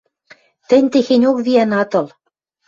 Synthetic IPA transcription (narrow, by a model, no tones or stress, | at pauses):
t̪ɘ̆nʲt̪exenʲokβiænɑt̪ɤ̆l